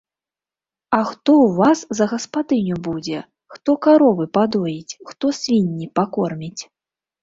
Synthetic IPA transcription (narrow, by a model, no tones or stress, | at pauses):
ɐxt̪ɔwvaszɐɣɐspad̪ɨnʲubud͡zʲɛ | xt̪ɔkaɾɔvɨpad̪ɔjit͡sʲxt̪ɔsʲvʲinʲːipakɔrmʲit͡sʲ